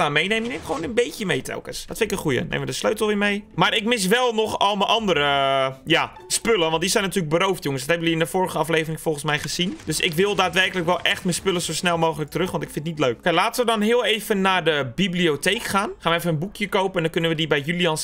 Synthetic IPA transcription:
amejneməinemxʋoːnənbeːtjəmejtʰɛ̰lˠkəsdɔtfɪnɪkənχujə̰nḛːmʋədəsløɥtəl̩ˠʋɪːmejmaɾɪkmɪs̬ʋɛlˠnɔxɔlˠməʔɑndəɾəja | spøləʋɑntdisɛjnatyːləɡ̚bəɾoːftjʊŋəsdɔthɛbəndiɪndəfoːrəxəɑfleːvərɪŋfolˠxənsmɛjχəzind̥øsɪ̰kʋɪlˠdaːtʋɛrkələkʋɛlˠʔɛxtmənspøləsosnɛlˠmoːxələk̚tərøxʋɔntɪkfɪntnitløːkkɛlaːtəʋədɔnɦɪəlˠeːvənːadəbiblioteːkxaːnχaːnʋəefənənbukjəkowpəɛndɔnkønənʋədibɛjjyliɑns

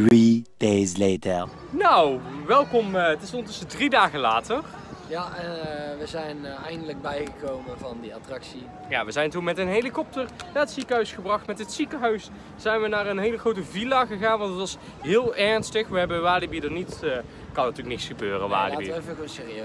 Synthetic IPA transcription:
ɹidezletə˞ | nowʋɛlˠkɔmətɪsɔnəntɵsədridaːɣəlaːtər | jaɛnʋəzɛjnɛjndələɡ̚bɛjχəkowmənvɑndiɑtrɑksi | ja̰ːʋəzɛjntunmɛtənɦelikɔp̚tərnaːətsikəɦœɥsχəbrɑχtmɛtɦətsikəɦœɥs | z̥ɛjnʋənaːrənɦejləχrowtəvilaːɣəɣaːnʋɑntətʋɑs | ɦɪːlˠɛɹnstəxʋəɦɛbənʋaːlibidərnitː | kɑnətyːləknɪksχəbøːrəʋa̰ːd̰bivəkənsɪːriø

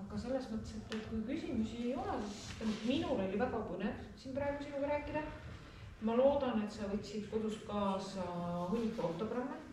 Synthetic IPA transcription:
ɑɡ̥ɑse̞lːesmɤt̪ːˑeset̪ːˑet̪kujkysʲimusiejo̞lesist̪æmut̪minulo̞lʲivæɡ̥ɑpɤnevsinprɑeɡusinɑɡɾæːkːˑid̪ɑ | mɑlo̞ːd̪̥ɑne̞t̪sɑvɤ̞t̪ʲsid̪̥ko̞d̪̥uskɑːsɑhunʲːikːˑeot̪ːˑo̞ɡrɑmːe

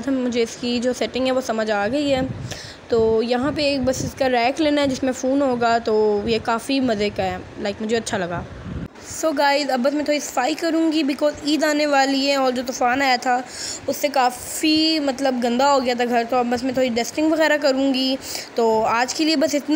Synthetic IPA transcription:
d̪ʱɐmmʊd͡ʒʱeɪskid͡ʒoːsɛʈɪ̃ŋɡɦɛʋosɐməd͡ʒaːɡɐiɦɛː | t̪oːjɐɦãp̬eːk̚bɐsɪskaɾɛːkleːnaɦɛd͡ʒɪsmẽfuːnɦoːɡat̪oːjekaːfimɐzekɦɛɛ | laːɪkmʊd͡ʒʱeɐtːʃʰalɐɡaː | soːɡaːɪzɐbːəs̬mẽt̪ʰoːɾisɐ̥faːikɐɾũːŋɡibɪkɔːziːd̪aːneʋaːliɦɛ̃ɔːɾd͡ʒoːt̪̬ʊfaːnaːjat̪ʰaʊsːekaː | fimɐt̪ləbɡɐ̃nd̪aɦoːɡɐjat̪ʰaɡʱɐɾt̪oɐbəsmẽt̪ʰoːɾiɖɛsʈɪ̃ŋɡʋɐɣɛːɾak̬ɐɾũːɡit̪oːaːd͡ʒkeliebɐsɪt̪n

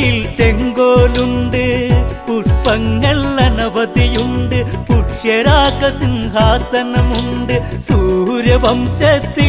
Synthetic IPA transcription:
ɪlt͡ɕeŋɡoːluɳɖɯpuʂpɐŋɡɐɭːɐnɐbɐðijuɳɖɯpuʈʂjɐɾaːkɐsinɡaːsɐnɐmuɳɖɯsuːɾjɐbɐmɕɐt̪ːi

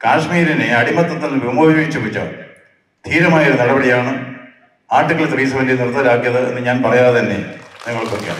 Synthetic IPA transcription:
kaːʂmiːɾineɐɽimɐt̪ːɐt̪ːɐlʋemboːbiʋɐjit͡ɕːupːut͡ɕːɐ̰ | d̪̥ʰʱiːɾɐmaːjɐoɾunɐɽɐbɐɽijaːɳɨ | aːʈːɨkːɐɭt̪riːs̬ɐmɐndit̪ɐrɐt̪ːɐɾaːɡjɐðɨḛnːɨɲaːnpɐrɐjaːðenːiniŋːɐɭkorkːja̰m

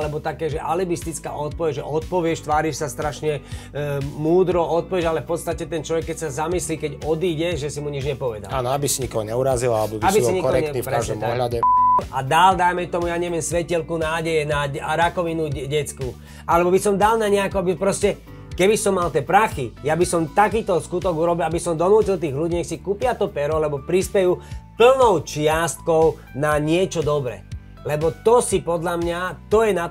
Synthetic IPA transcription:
lɛbɔt̪akɛːʒɛʔalibist̪it͡ska̰ːʔɔt̪̚pɔʋɛɟʒɛʔɔt̪̚pɔʋɪɛʃt̪ʋaːɾiʃsast̪ɾaʃɲɛ | muːd̪ɾɔɔt̪̚pɔʋɪɛʃalɛfpɔt̪st̪acɛt̪ɛnt͡ʃlɔʋɛkːɛcsazamisliːkɛɟɔd̪iːɟɛʒɛsimuɲid͡ʒɲɛpɔʋɛd̪alaːnɔabisiɲikɔɦɔɲɛuɾazilalɛbɔbabisɔiɲikɔɔɦɾɛkɲɛnipɾɛaʒd̪ɔmaɔɦʎaɟɛad̪ald̪ajmɛt̪ɔmujaɲɛʋɪɛmsʋɛcilkunaːɟɛjɛnaɾakɔʋinuɟɛt͡sku | ʔalɛbɔbisɔmd̪alnaɲɛakɔabipɾɔscɛ | kɛbisɔmːalt̪ɪɛpɾaxijabisɔmt̪akiːt̪ɔskut̪ɔɡuɾɔbilabisɔmd̪ɔnuːcilt̪iːɣluɟiːɲɛksikupɪat̪ɔpɛɾɔlɛbɔpɾispɛjuːpl̩nɔʊt͡ʃɪast̪̚kɔʊ | naɲɪɛt͡ʃɔd̪ɔbɾɛ̰ | lɛbɔt̪ɔsipɔd̪lamɲat̪ɔjɛna

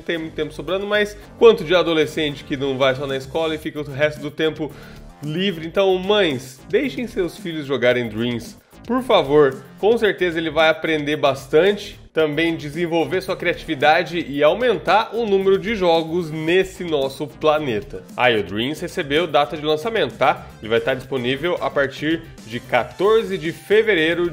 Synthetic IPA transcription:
t̪ẽj̃mũt̪ʊt̪ẽpʊ̥sobɾɐ̃nd̪ʊmɐjs | kwɐ̃nt̪ʊd͡ʒɪad̪olesẽnt͡ʃɪ̥kɪnɐ̃w̃vajsɔnɐɪskɔlɐɪfikɐɦɛst̪ʊd̪ʊt̪ẽmpʊ | livɾɪẽnt̪ɐ̃w̃mɐ̃j̃s | d̪ejʃẽj̃sewsfiʎʊzʒoɡaɾẽd̪ɾĩs | poɾfavoɾkõw̃seɾt̪ezɐelɪvajapɾẽnd̪eɾbast̪ɐ̃nt͡ʃɪ̥t̪ɐ̃mbẽj̃d͡ʒɪzẽvowveɾɐsuɐkɾiat͡ʃivid̪ad͡ʒɪʔɪawmẽnt̪aɾʔʊnũmeɾʊd͡ʒɪʒɔɡʊznesɪnɔsʊplanet̪ɐa̰iʊd̪ɾĩshesebewd̪at̪ɐd͡ʒɪlɐ̃samẽnt̪ʊt̪a | elɪvajst̪aɾd͡ʒisponivewʔa̰paɾt͡ʃiɾ | d͡ʒɪkat̪oɾzɪd͡ʒɪfeveɾeɾʊ

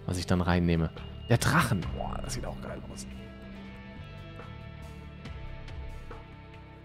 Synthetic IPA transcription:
va̰sɪçd̥anʁaɪnːeːməd̥eːɐdʁaχn̩o̰ɐ̰a̰sz̥iːtaʊxɡ̥a̰ɪlaʊs

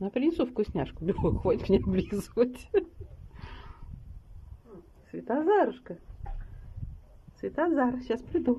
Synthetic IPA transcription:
nɐpɾʲɪnʲɪsufkʊjʊsʲnʲaʂkʊlʲuuxotʲkmʲnʲeblʲizvətʲ | svʲɪt̪azaɾʊʂkə | svʲɪt̪azarɕaspɾʲɪd̪u

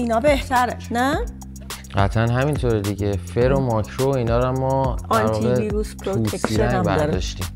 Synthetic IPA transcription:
inɒːbe̞ht̪ʰæɾenæ | ɢæt̪ʰænɦæmint̪ʰoːɾed̪iɟe̞feɾomɒːkʰɾoiːnɒːɾmːɒːdɑænɾvɒːiɣeviːɾuspʰɾout̪ːʰesiɾænbæ̰dɾdɒʃt̪im

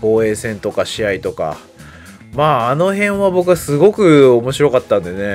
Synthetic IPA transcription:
ko̞ːe̞ːsẽ̞nt̪o̞kaɕiait̪o̞ka̰ | maːno̞ɦẽ̞ɰ̃βabo̞kɯ̟asɨɡo̞kɯ̟o̞mo̞ɕiɾo̞kat̪ːãnd̪e̞ne̞

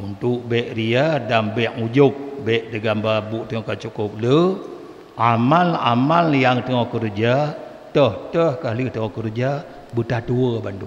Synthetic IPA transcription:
unt̪uʔbɛʔriadambɛʔŋud͡ʒup̚bɛʔdəɡambabuʔt̪əŋɔkat͡ʃukup̚lə | amalamaljaŋt̪əŋɔhkəɾd͡ʒa | t̪əht̪əhkalit̪əŋɔhkəɾd͡ʒa | bət̪at̪uəbandu

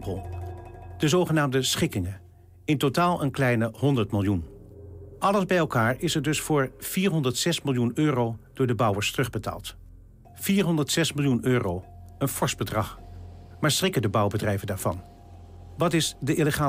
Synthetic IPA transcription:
pəlˠ | d̥əzowχənaːmdəsχɪkɪŋə | ɪntotaːlˠʔənklɛjnəɦɔndəɹtmɪlˠjun | ʔɑləzbɛjɛlˠkaːɹɪsəɹdɵsfʊːɹv̥iːɹɦɔndəɹtsɛsmɪlˠjunøːrowd̥ʊːɹdəbɑwəɹstərɵχbəta̰ːlˠt | fiːɹɦɔndəɹtsɛsmɪlˠjunøːrow | ənfɔɹsbədrɑχ | maːɹsrɪkəndəbʌwbədrɛjvəndaːɹv̥ɑ̰n | ʋɑtɪsdəʔiləχaː

